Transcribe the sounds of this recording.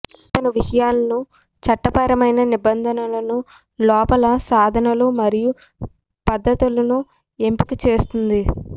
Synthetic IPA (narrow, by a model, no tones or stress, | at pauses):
t̪ɐnɐʋiʂɐjaːlːɐnu | t͡ʃɐʈːɐpɐɾɐmɐjnɐnibɐnd̪ʱɐnɐlɐnu | lɔːpɐlɐsaːd̪ʱɐnɐlumɐɾiju | pɐd̪ʱːɐt̪ulɐnu | e̞mpikit͡ʃe̞ːst̪und̪i